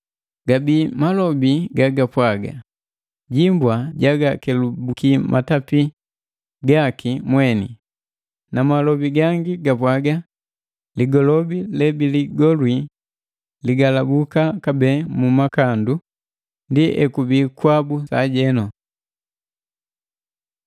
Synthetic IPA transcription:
ɡabimalɔbiɡaɡapwaɡa̰ | ɟimbwaɟaɡakɛlubukimʔatapi | ɡakimwɛnḭ | namalɔbiɡaŋɡiɡapwaɡa | liɡɔlɔbilɛbiliɡɔlwi | liɡalabukakabɛmumakandu | ndiʔɛkubikwabusaɟɛnɔ

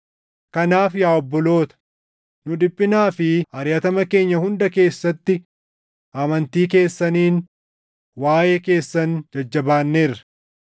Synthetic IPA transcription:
kɐnaːfjaːɔbːɔlo̞ːt̪ɐ̥ | nʊᶑ̪ɪpʼːɪnaːfɪɐɾjɐt̪ɐmɐke̞ːɲːɐhʊnd̪ɐke̞ːsːɐt̪ːɪ | ʔɐmɐnt̪iːk̬e̞ːsːɐniːn | waːje̞ːke̞ːsːɐnd͡ʒɐd͡ʒːɐbaːnːeːrɐ̥

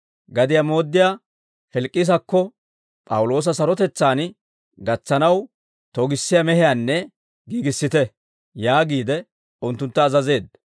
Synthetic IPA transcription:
ɡɐd̪ɪjamo̞ːd̪ːɪjaː | fɛlkʼːɪs̬ɐkːɔ | pʼɐwʊlo̞ːs̬ɐsɐɾɔt̪ɛt͡sːaːn | ɡɐt͡sːɐnɐw | t̪ɔɡɪsːɪjamɛhɪjaːnːɛ | ɡiːɡɪsːɪt̪ɛ | jaːɡiːd̪ɛ | ʊnt̪ːʊnt̪ːɐːzɐze̞ːd̪̚

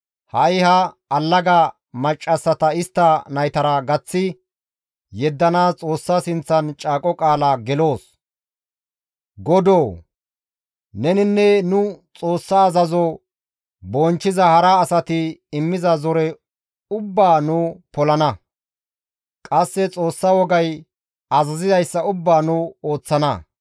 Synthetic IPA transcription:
hɐɪhɐ | ɐlːɐɡɐ | mɐt͡ʃʼːɐsːɐt̪ɐɪst̪ːɐnɐjt̪ɐɾɐɡɐt͡sːɪ | jɛd̪ːɐnaːst͡sʼo̞ːsːaːsɪnt͡sːɐnt͡ʃʼaːkʼɔkʼaːlɐɡɛlo̞ːs | ɡɔd̪oː | nɛnɪnːɛnʊt͡sʼo̞ːsːaːzɐzɔ | boːnt͡ʃːɪzɐhɐɾɐːsɐt̪ɪɪmːɪzɐzɔɾɛ | ʊbːaːnʊpɔlɐnɐ | kʼɐsːɛt͡sʼo̞ːsːɐwɔɡɐj | ɐzɐzɪzɐjsːɐʊbːaːnʊoːt͡sːɐnɐ

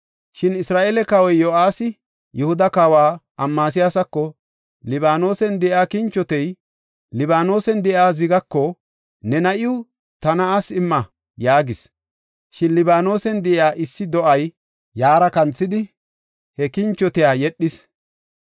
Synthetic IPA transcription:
ʃɪnɪsɾaːʔeːlɛkɐwɔjːɔʔaːsɪ | jɛhʊd̪ɐkaːwaːʔɐmːaːs̬ɪjaːsɐkːɔ | lɪbaːno̞ːsɛnd̪ɛʔjaːkɪnt͡ʃːɔt̪ɛj | lɪbaːno̞ːsɛnd̪ɛʔjaːzɪɡɐkːɔ | nɛnɐʔɪʊ | t̪ɐnɐasɪmːɐ | jaːɡɪs | ʃɪnlɪbaːno̞ːsɛnd̪ɛʔɪaːʔɪsːɪd̪ɔʔɐj | jaːɾɐkɐnt͡sːɪd̪ɪ | hɛkɪnt͡ʃːɔt̪ɪjaːjɛɗːɪs

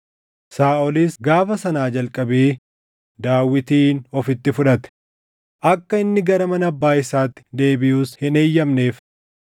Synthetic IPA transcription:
saːɔliːsɡaːfɐsɐnaːd͡ʒɐlkʼɐbeː | d̪aːwːɪt̪iːnɔfɪt̪ːɪfʊᶑɐt̪ɛ̥ | ʔɐkːɐɪnːɪɡɐɾɐmɐnɐbːaːɪsaːt̪ːɪ̥d̪e̞ːbɪjuːshɪneːjːɐmne̞ːf

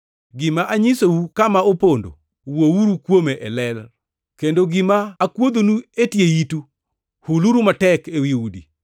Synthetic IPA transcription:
ɡɪmaʔaɲɪsowukamaopondo̰ | wowuɾukwomeʔɛlɛl | kendoɡɪmaːkwod̪onuetjeitu | huluɾumatɛkewiudḭ

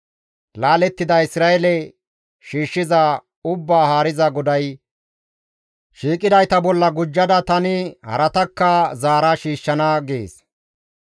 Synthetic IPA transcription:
laːlɛt̪ːɪd̪ɐɪsɾaːɛlɛ | ʃiːʃːɪzɐ | ʊbːaːhaːɾɪzɐɡɔd̪ɐj | ʃiːkʼɪd̪ɐjt̪ɐbɔlːɐɡʊd͡ʒːɐd̪ɐt̪ɐnɪhɐ̰ɾɐt̪ɐkːɐzaːɾɐʃiːʃːɐnɐɡḛːs

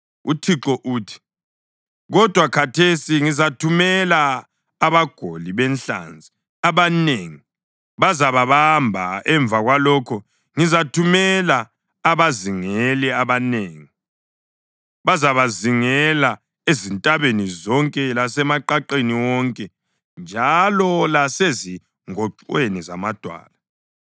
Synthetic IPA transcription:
utʰiǁɔʔuːtʰi̥ | ɣɔd̥ʱwakʰatʰesiŋizatʰumɛlaː | βaɡ̥ʱoliβɛnɬa̰nd͡zʱi | aβaneŋi | βazaβaβambʱa̰ɛɱb̪vʱaɣwalɔkʰɔ | ŋizatʰumɛla | aβaziŋɛlɛaβaneːŋi | βazaβaziŋɛla | ezintʼaβenizɔŋkʼɛlasɛmaǃaǃeniwɔŋkʼɛ | nd͡ʒʱalɔlasezi | ŋɔǀweniza̰mad̥ʱwa̰ːla

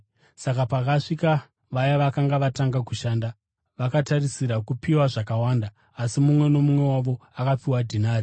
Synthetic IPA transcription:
sakapakaʂika | ʋajaʋakaŋɡaʋataŋɡakuʃaːnda | ʋakatarisiɾakupiwaʐakawaːndaː | simumwe̞no̞mumwe̞waʋo̞akapiwadʱinaːɾi

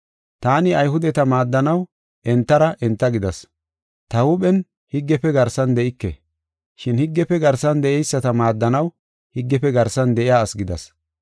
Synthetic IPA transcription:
t̪aːnɪɐjhʊd̪ɛt̪ɐmaːd̪ːɐnɐw | ʔɛnt̪ːɐɾɐʔɛnt̪ːɐɡɪd̪ɐs | t̪ɐwʊɓɛn | hɪɡːɛpːɛɡɐɾsɐnd̪ɛʔɪkːɛ̰ | ʃɪnhɪɡːɛpɛɡɐɾsɐnd̪ɛʔɛjsːɐt̪ɐmaːd̪ːɐnɐw | hɪɡːɛpːɛɡɐɾsɐnd̪ɛʔɪjaːsɡɪd̪ɐ̰s

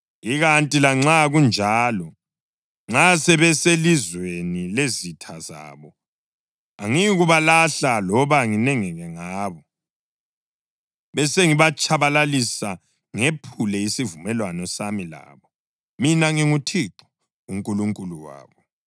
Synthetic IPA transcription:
iɣantʼilaŋ͡ǁaɣund͡ʒʱaːlɔ | ŋ͡ǁasɛβɛselizwenilezitʰaza̰ːβɔ | aŋiɣuβalaɬalɔβaŋinɛŋɛɣɛŋaːβɔ | βɛseŋiβat͡ʃʼʰaβalalisa | ŋepʰulɛisivumɛlwanɔsamila̰ːβɔ | minaŋiŋutʰiǁu̥ | uŋkʼuluŋkʼuluwa̰ːβɔ

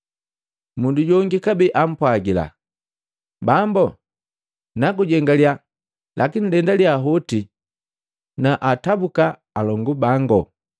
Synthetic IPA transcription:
munduɟɔŋɡikabiʔam̩pwaɡila̰ | bambɔ | nakuɟɛŋɡalja | lʔakinilɛndalijaɦɔti | naʔatabukaː | lɔŋɡubaŋɡɔ

